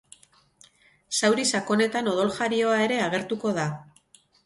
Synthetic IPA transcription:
sawɾisako̞ne̞t̪ano̞ð̞o̞lʝaɾio̞ae̞ɾe̞aɣ̞e̞ɾt̪uko̞ð̞a

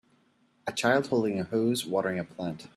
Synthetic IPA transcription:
ɨt͡ʃʰaɪlˠd̥̚hoʊlˠdɪ̃ŋɨhuzwɔɾə˞ɪ̃ŋɨpʰl̥æ̃nt

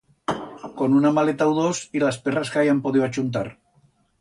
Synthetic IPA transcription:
ko̞nunamalet̪awðosilasperaskajampoð̞ioat͡ʃunt̪̬aɾ

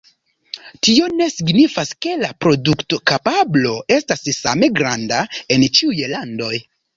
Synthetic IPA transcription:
tio̞ne̞siɡnifaske̞lapɾo̞dukto̞kapablo̞e̞stassa̰me̞ɡɾandae̞nt͡ʃiujlando̞j

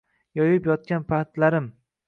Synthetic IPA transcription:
jɒjɪpjɒt̪̚kʲanpʰat̪laɾɪm

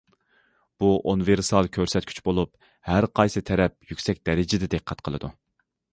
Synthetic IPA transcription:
b̥uʔonveɾsɑlˠkʲʰøɾsɛt̪̚kʰʲy̥t͡ʃbolˠup | hæɾqʰɑjsɨt̪ʰɛɾɛp̚jykʲsɛk̚ʲd̪ɛɾɪd͡ʒɪd̪ɪd̪eqʰːɛt̪qʰəlˠɨ̰d̪u

